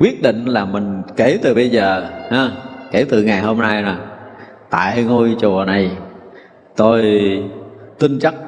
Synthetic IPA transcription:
kwi˦˥ət̚ɗḭ˧˨ŋ̟laː˨˩mï˨˩ŋ̟ke˨˧˦t̪ɨ˨˩ɓə˧jzəː˨˩haː˨˦ke˧˩˦wt̪ɨ˨˩ŋa˨˩jho˧mna˧jnɔ˨˩j | t̪a̰ː˧˨jŋo˧jt͡ɕu˨˩əna˨˩j | t̪o˧j | t̪ï˧ŋt͡ɕa˦˥k̚

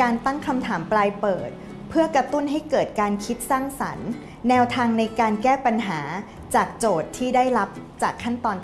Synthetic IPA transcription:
aː˧nt̪a˥˩ŋkʰa˧mt̪ʰaː˩˦mplaː˧jpɤː˨˩t̪̚ | pʰɯ˥˩ɐkɾa˧t̪u˥˩nɦa˥˩jkɤː˨˩t̪̚kaː˧nkʰi˦˥t̪̚saː˥˩ŋsa̰˩˦nː | ɛː˧wt̪ʰaː˧ŋna˧jkaː˧nkɛː˥˩pa˧nɦaː˩˦ | t͡ɕaː˨˩k̚t͡ɕoː˨˩t̪ʰːiː˥˩daː˥˩jɾa˦˥p̚t͡ɕaː˨˩kʰːa˥˩nt̪ɔː˧n

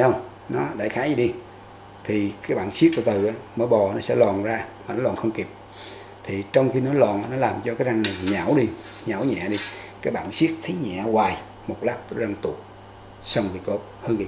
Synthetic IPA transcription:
ə˧wŋ͡m | nɔ˨˦ɗa̰˧˩jxaː˨˦jzi˨˩ɗi˧ | t̪ʰi˨˩kaː˨˦jɓa̰ː˧˨nsi˦˥k̚kṵ˧˩t̪ɨ˨˩ʔaː˨˦məː˧˦ɓɔ˨˩˨nɔ˨˦sɛ̰˧˥lwaː˨˩nzaː˧maː˨˩nɔ˨˦lwa̰ː˧˨nxə˧wŋ͡mki˨˩p̚ | t̪ʰi˨˩t͡ɕɔ˧wŋ͡mxi˧nɔ˨˦lwa̰ː˧˨nʔaː˨˦nɔ˨˦laː˨˩mt͡ɕɔ˧kaː˨˦jza˧ŋna˨˩jɲa˧˩wɗi˧ | ɲa˧˩wɲɛ̰˧˨ɗi˧ | kaː˨˦jɓa̰ː˧˨nsi˦˥ək̚t̪ʰə˨˦jɲa̰˧˨waː˨˩j | mo˨˩t̚laː˦˥p̪̚za˧ŋt̪u˨˩k̚ | sa˧wŋ͡mvḭ˨˩ko˧˦˩p̚hɨ˧ŋi˧˨˦

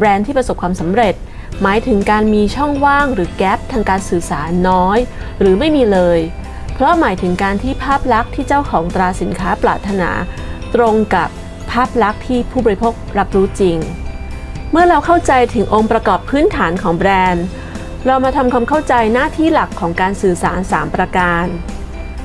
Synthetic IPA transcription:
bɾɛː˧nt̪ʰiː˥˩pɾa˧so˨˩p̚kʰwaː˧msa˩˦mɾe˨˩t̪̚ | maː˩˦jt̪ʰɯ˩˦ŋkaː˧nmiː˧t͡ɕʰɔ˥˩ŋwaː˥˩ŋɾɯː˩˦kɛː˦˥p̚t̪ʰaː˧ŋkaː˧nsɯː˨˩saː˩˦nːɔː˦˥jɾɯː˩˦ma˥˩jmiː˧lɤː˧j | pʰɾɔ˦˥maː˩˦jt̪ʰɯ˩˦ŋkaː˧nt̪ʰiː˥˩pʰaː˥˩p̚ɾa˦˥k̚t̪ʰiː˥˩t͡ɕa˥˩wkʰɔː˩˦ŋt̪ɾaː˧si˩˦nkʰaː˦˥plaː˨˩t̪ʰːa˧na̰ː˩˦t̪ɾo˧ŋka˨˩p̚ʰː | aː˥˩p̚ɾa˦˥k̚t̪ʰiː˥˩pʰuː˥˩bɔː˧ɾi˦pʰoː˥˩k̚ɾa˦˥p̚ɾuː˦˥t͡ɕi˧ŋ | mɯ˥˩ɐɾa˧wkʰa˥˩wt͡ɕa˧jt̪ʰɯ˩˦ŋʔoː˧ŋpɾa˧kɔː˨˩pʰːɯː˦˥nt̪ʰaː˩˦nkʰɔː˩˦ŋbɾɛː˧n | ɾa˧wmaː˧t̪ʰa˧mkʰwa˧mkʰa˥˩wt͡ɕa˧jnaː˥˩t̪ʰiː˥˩la˨˩kʰːɔː˩˦ŋkaː˧nsɯː˨˩sa̰ː˩˦nsa̰ː˩˦mpɾaː˧kaː˧n

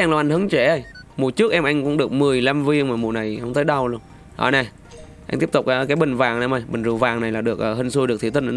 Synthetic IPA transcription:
ɛː˧ŋla˨˩ʔŋ̟ɦɨ˨˦ŋt͡ɕe˧˩ə˧˩jmu˨˩t͡ɕɨ˦˥ək̚ʔɛ˧mʔa˧jŋ̟kʊ̰˧˥ŋ͡mɗɨ˨˩ək̚mɨ˨˩əjla˧mvi˧ə˧ŋmaː˨˩mu˨˩na˨˩jhə˧wŋ͡mt̪əː˨˦jɗa˧wlu˧ən | ʔɔ̰ː˧˩ne˧˩ | ʔa˧jt̪i˦˥p̚t̪u˨˩k͡p̚kːkaː˨˦jɓï˨˩ŋ̟vaː˨˩ŋna˨˧˦ma˨˧˩jɓï˨˩ŋ̟zu˨˩vaː˨˩ŋna˨˩jlaː˨˩ɗɨ˨˩ək̚ʔəː˨˩ɦə˧nŋsu˧ɨ˨˩k̚t̪ʰi˧˩t̪ʰnʔ

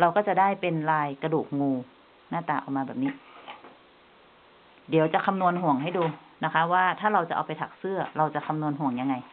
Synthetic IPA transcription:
ɾa˧wkɔː˥˩t͡ɕa˨˧˩daː˥˩jpe˧nlaː˧jka˧duː˨˩k̚ŋuː˧ | naː˥˩t̪aː˧ʔa̰˨˧wmaː˧bɛː˨˩p̚niː˦˧˥ | di˨˦wt͡ɕa˨˩˦kʰa˧mnu˧ənɦu˨˩əŋɦa˥˩jduː˧ | na˦˥kʰa˦˥waː˥˩t̪ʰaː˥˩ɾa˧wt͡ɕa̰˨˩ʔa̰˨˧wpa˧jt̪ʰa̰˨˩k̚sɯ˥˩ɐɾa˧wt͡ɕa˨˩kʰa˧mnu˧ənɦu˨˩˦əŋja˧ŋa˧j

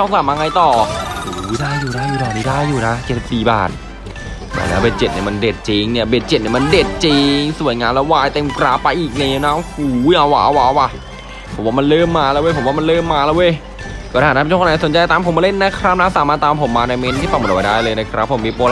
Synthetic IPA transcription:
t̪ɔ˥˩ŋk̪saː˨˩maː˧ŋa˧jt̪ɔː˨˩huː˨˩˦daː˥˩jːuː˨˩daː˥˩juː˨˩a˨˩niː˦˧˩daː˥˩jːuː˨˩na˦˥t͡ɕt̪̚si˨p̚siː˨˩ba̰ː˨˩t̪̚ | nɛ̰˨˧˩lɛ̰˦˥wbe˧˩t̚t͡ɕe˨˩t̪̚ni˥˩ma˧nde˨˩t̪̚t͡ɕi˧ŋni˥˩ɐbe˨˩t̪̚t͡ɕe˨˩t̪̚ni˥˩ma˧nde˨˩t̪̚t͡ɕi˧ŋsu˨˩˦əjŋaː˧lɛ˧˦˥waː˧˩jt̪e˧mkɾaː˨˥pːa˧jʔiː˨˩k̚na˧˨ja˧˩na˦˥huː˨˦ja˨˩waː˨˦waː˨˦wʔa˧˩ | pʰo˨˩˦waː˥˩m˧nlɤː˥˩mːaː˧lɛː˧˥we˧˩pʰo˩˦waː˥˩ma˧nlɤː˥˩mːaː˧lɛː˦˥we˧˩j | kɔː˥˩a˧˩a˨˩˧a˥˩˧so˩˦nt͡ɕa˧jt̪aː˧mpʰo˨˦mːaː˧le˥˩nːa˦˥kʰɾa˦˥p̚na˧˦˥saː˨˦maː˧˩t̪ːaː˧mpʰo˩˦mːaː˧na˧jme˦˥nt̪ʰiː˥˩fa˧˩ŋm˨˩n˨˩wa˧daː˥˩jlɤː˧jna˦˧˥kʰɾa˦˥pʰːo˩˦mːiː˧poː˧l

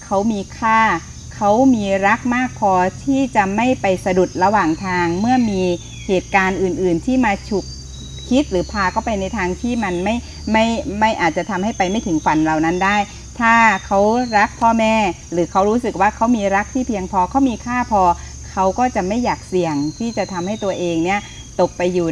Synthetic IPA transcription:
kʰa˦˥wmiː˧kʰaː˥˩ | kʰa˦˥wmiː˧ɾa˦˥k̚maː˥˩k̚pʰɔː˧t̪ʰiː˥˩t͡ɕa˨˩ma˥˩jpa˧jsa˧du˨˩t̪̚ɾa˧waː˨˩ŋt̪ʰaː˧ŋmɯ˥˩ɐmiː˧ | heː˨˩t̪̚kaː˧nʔɯː˨˩nʔɯː˨˩nt̪ʰiː˥˩maː˧t͡ɕʰu˨˩k̚ | kʰi˦˥t̪̚ɾɯː˩˦pʰaː˧kɔː˥˩pa˧jna˧jt̪ʰaː˧ŋt̪ʰiː˥˩ma˧nma˥˩j | ma˥˩jma˥˩jʔaː˨˩t̪̚t͡ɕa˨˩t̪ʰa˧mha˥˩jpa˧jma˥˩jt̪ʰɯ˩˦ŋfa˨˦nɾa˨˩wna˦˥ndaː˥˩j | t̪ʰaː˥˩kʰa˦˥wɾa˦˥k̚pʰɔː˥˩mɛː˥˩ | ɾɯː˩˦kʰa˦˥wɾuː˦˥sɯ˨˩k̚waː˥˩kʰa˦˥wmiː˧ɾa˦˥k̚t̪ʰiː˥˩pʰi˧əŋpʰɔː˧kʰa˦˥wmiː˧kʰaː˥˩pʰɔː˧ | kʰa˦˥wkɔː˥˩t͡ɕa˨˩ma˥˩jːaː˨˩k̚si˨˩əŋt̪ʰiː˥˩t͡ɕa˨˩t̪ʰa˧mha˥˩jt̪u˧ɐʔeː˧ŋni˥˩ɐ | t̪o˨˩k̚pa˧jːuː˨˩

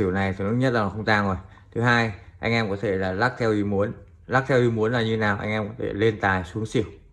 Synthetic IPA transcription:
i˧˩˨əwna˨˩jt̪ʰɨ˨˩nɨ̰˦˥ŋɲə˥t̚la˨˩˨xə˧ŋ͡mt̪aː˧˩ŋzo˨˩j | t̪ʰɨ˨˦ɦaː˧jʔa˧jŋʔɛ˧mkɔ˨˦t̪ʰe˧˩laː˨˩laː˦˥k̚t̪ʰɛ˧wʔi˧mu˨˦ən | laː˦˥k̚t̪ʰɛ˧wʔi˧mu˨˦ənlaː˨˩ɲɨ˧e˨˦naː˨˩wʔa̰˧jŋʔɛ˧mkɔ˨˦t̪ʰḛ˧˩le˧nt̪aː˨˩jsu˨˦əŋsi˧˩˨əw

